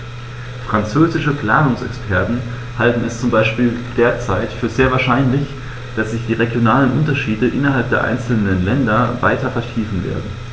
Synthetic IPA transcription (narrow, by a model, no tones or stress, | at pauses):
fʁ̥ant͡søːzɪʃəpl̥a̰ːnʊŋsɛ̰kspʰɛɐtn̩ | haltn̩ɛst͡sʊmbaɪʃpiːld̥eːɐt͡saɪtfyːɐzeːɐvaːɐʃaɪnlɪç | d̥asz̥ɪçd̥iːʁeɡjonaːlənʔʊntɐʃiːdəʔɪnɐɦalp̚d̥eːɐʔa̰ɪnt͡sl̩nənlɛndɐva̰ɪtɐfɛɐtʰiːfn̩vḛːɐdn̩